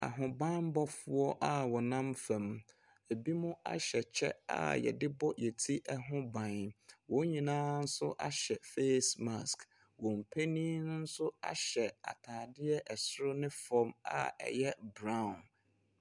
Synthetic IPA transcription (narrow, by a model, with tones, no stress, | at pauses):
a̰˨ɦʊ̃˨bã˦m˦bɔ˦fʊ˦ɔ˦ʔa˦wɔ˨nã˦mfɛ̃˨m | e˨bi˦mʊ̃˦a̰˦ɕɛ˨t͡ɕʰɛ˦a̰˦˨jɛ̰˨dɪ˦bɔ˦jɛ˨tʰi˦ʔɛ˦ɦʊ̃˦bã˨n˨wɔ̃˨˦ɲĩ˨nãː˦n̩˦sʊ˦ʔa˦ɕɛ˨fe˦sma˨sk | wɔ˨m̩˨pʰæ˦nĩ˦nʊ̃˦n̩˦sʊ˦a̰˨ɕɛ˨a̰˨tʰaː˨dɪ˦ɛ˦ʔɛ˨sʊ˦ɾʊ˦nɪ̃˦fɔ˦ma̰˦ɛ̰˨jɛ˦bɾã˦˨n